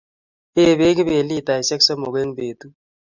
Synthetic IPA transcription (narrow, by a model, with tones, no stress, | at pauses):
eː˦βe˦ɡbe˨li˦˨t̪a˨jse˦ksɔ˦mo˨ɡe˦ŋbeː˨t̪u˦